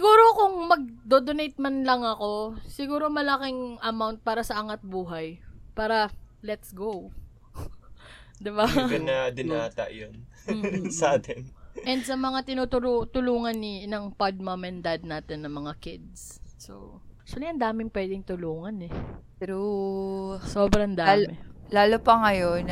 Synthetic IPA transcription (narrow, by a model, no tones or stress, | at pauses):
sɪɡuːɾo̞kʊŋmɐɡ̚d̪od̪onejt̪̚mɐnlɐŋɐko̞sɪɡuːɾo̞mɐlɐkɪŋʔɐmawnt̪̚paːɾɐsɐʔɐŋɐt̪̚buːɦɐjpaːɾɐlɛt̪sɡow | d̪ɪbaɡɐnːɐd̪ɪnaːt̪ɐ̰ʔjon̩ | sɐʔaːt̪ɛnʔɛnd̪̚sɐmɐŋat̪ɪnut̪ʊlut̪ʊluːŋɐnːinɐŋpɐd̪̚mɐmɛnd̪ad̪̚naːt̪ɛnːɐmɐŋakɪd̪̚s | so̰ | kʃɐlɪʔɐnd̪aːmɪŋpwɛːd̪ɪŋt̪ʊluːŋɐnɛ | ɾu | soːbɾɐnd̪amɛlaːlopɐŋɐjon